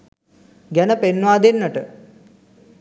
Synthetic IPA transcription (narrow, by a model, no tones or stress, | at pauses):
ɡænəpenːʋaːd̪enːəʈə